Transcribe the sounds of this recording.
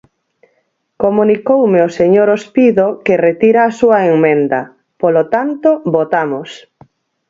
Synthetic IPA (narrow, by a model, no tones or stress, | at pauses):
komunikowmeoseɲoɾospiðokeret̪iɾaːsuɐeŋmẽnd̪ɐ | polot̪ant̪oβot̪amos